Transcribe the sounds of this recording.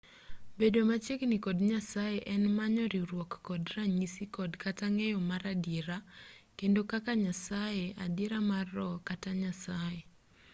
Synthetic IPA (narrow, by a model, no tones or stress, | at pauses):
bedomat͡ʃeknikɔdɲasajeʔɛnmaɲɔɾiɾwɔkːɔdɾaɲisikɔdkataŋejɔmaɾadiɾakendokakaɲasajeadɪɾamarːɔkataɲasaje